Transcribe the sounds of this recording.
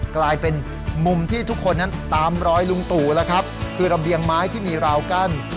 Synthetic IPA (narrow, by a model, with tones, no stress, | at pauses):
klaː˧jpe˧n | mu˧mt̪ʰiː˥˩t̪ʰu˦˥kʰːo˧nːa˦˥nt̪aː˧mɾɔː˦˥jlu˧ŋt̪uː˨˩lɛ˦˥kʰa˦˥p̚kʰɯː˧ɾa˧bi˧əŋmaː˦˥jt̪ʰiː˥˩miː˧ɾaː˧wka˥˩n